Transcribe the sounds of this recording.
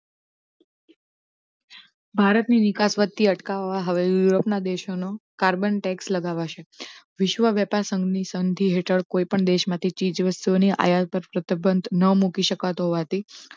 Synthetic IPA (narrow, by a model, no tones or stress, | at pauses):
bʱaɾət̪ninɪkasʋət̪ːiəʈkaʋʋaɦəʋejuɾopnad̪eʃonokaɾbənʈɛksləɡaʋaʃeʋɪʃʋəʋjɛpaɾsə̃ŋɡnisənd̪ʱiɦeʈʰəɭkoipəɳd̪eʃmãt̪ʰit͡ʃid͡ʒʋəst̪uoniʔa̰jat̪̚pəɾpɾət̪ibʱənd̪nəmukiʃəkat̪oɦoʋat̪i